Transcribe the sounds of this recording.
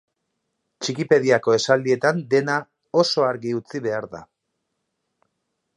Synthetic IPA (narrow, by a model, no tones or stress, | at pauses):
t͡ʃikipe̞ðiako̞e̞sald̪ie̞t̪and̪e̞na | o̞so̞aɾɣiut͡siβ̞e̞aɾða̰